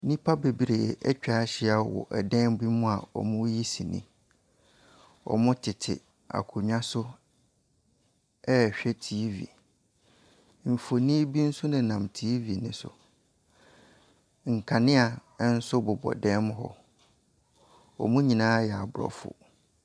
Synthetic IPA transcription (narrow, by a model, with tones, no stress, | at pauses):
nĩ˦pʰa˦be˨bi˨ɾe˨jɛ̰˨ʔɛ˦t͡ɕᶣaː˦ɕɪ˦a˨wɔ̰˨ʔɛ˨dɛ̃˦mbi˦mʊ̃˦a˨ɔ̰˨mʊ̃˦ji˦si˨nḭ̃˦ | ɔ̰˨mʊ̃˦tʰɪ˨tʰɪ̰˨ | a̰˨kʰʊ˨ɲᶣã˦sʊ˦ | ɛ˦˨ɕᶣɛ˦tʰiː˨˦vḭ˨ | m̩˨fo˨nĩ˦bi˦n̩˦sʊ˦nɪ̃˨nã˨mtʰi˦vi˨nɪ̃˨sʊ̰˨ | ŋ̩˨kʰa˨nɪ̃˦a˨˦n̩˦sʊ˦bʊ˨bɔ̰˨dɛ̃˦m˦ɦɔ̰˦ | ɔ̰˨mʊ̃˦ɲĩ˨nãː˦jɛ˨a˨bʊ˨ɾɔ̰˨fʊ̰˨